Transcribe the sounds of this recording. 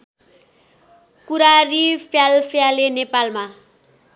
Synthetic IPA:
kuɾarifjalfjalenepalma

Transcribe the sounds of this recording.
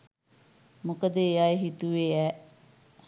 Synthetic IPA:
mukəd̪eːjaːeɦit̪uʋeːɛ

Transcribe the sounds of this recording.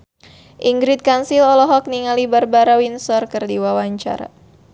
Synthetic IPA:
ʔiŋɡɾɪt̪̚kansilɔlɔɦɔk̚niŋalibarbaɾawinsɔrkərdiwawaɲt͡ʃa̰ɾa̰

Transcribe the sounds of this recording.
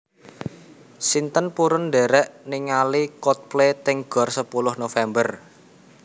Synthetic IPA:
sint̪ənpuɾʊndɛɾɛʔniŋalikɔt̪̚plet̪ɪŋɡ̥ɔ̤rsəpulʊhnofɛmbər

